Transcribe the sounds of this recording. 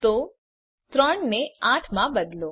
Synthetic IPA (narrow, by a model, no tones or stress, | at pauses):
t̪o | t̪ɾɔɳneãːʈʰmãbəd̪lo